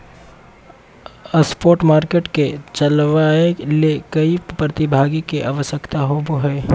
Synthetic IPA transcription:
əspoːɾʈmaːɾkeːʈket͡ʃɐlʋaelekɐipɾət̪ɪbʱaːɡikeʔaʋəʃjəkt̪aɦoboɦɛː

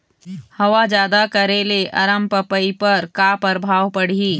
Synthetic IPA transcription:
hɐʋad͡ʒjaːd̪akəɾeleʔɐɾəmpəpəipəɾkaːpəɾbʱaːʋpəɽ̤iː

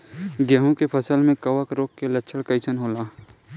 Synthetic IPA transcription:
ɡjəɦũkepʰɐsəlmẽkɐʋəkɾoːkːelɐtːʃʰəɽkɐɪsʰənɦoːlaː

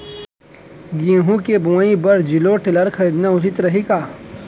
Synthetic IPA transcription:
ɡĩːɦũkebuãːĩbɐɾd͡ʒiloʈɪləɾkʰɐɾiːd̪naʊt͡ʃɪt̪ɾɐɦikaː

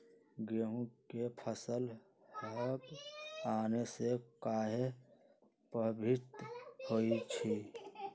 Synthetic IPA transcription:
ɡeːɦũkepʰəsəl | həkaːnesekaːɦe | pɾəbʱɪt̪hoit͡ʃʰi

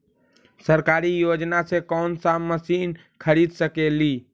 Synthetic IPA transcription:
səɾkaɾijod͡ʒnasekɔːnsaməsin | kʰəɾid̪səkeli

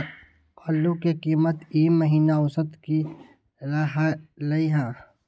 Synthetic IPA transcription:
qɔːlːũkekiːmət̪iːmːɐɦiːnaʊsət̪ki | ɾaɦalɐiɦɛ̃ː

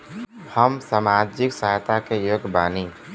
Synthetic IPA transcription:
həmsamad͡ʒɪksajt̪akejoɡʱbaːni

